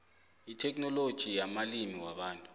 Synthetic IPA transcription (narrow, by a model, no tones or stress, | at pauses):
itʰɛk̬ʼnɔlod̥ʒ̥ʱijamalimiwaɓaːntʼu̥